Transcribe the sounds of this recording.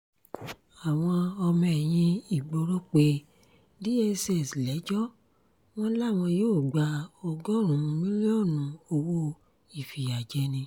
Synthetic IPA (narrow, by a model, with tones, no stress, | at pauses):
a˨w̃ɔ̃˧ɔ˧mɛ̃˨j̃ĩ˧i˨ɡ͡bo˧ɾo˦k͡pe˧ | di˦e˧se˨slɛ˨˦d͡ʒɔ˦ | w̃ɔ̃˦la˦˨w̃ɔ̃˧joː˦˨ɡ͡ba˧o˧ɡɔ˦˨ɾũ˨˦˧mĩ˦lɔ˦˨nũ˨˦o˧wo˦ | i˨fi˨ja˨d͡ʒɛ˧˦nĩ˧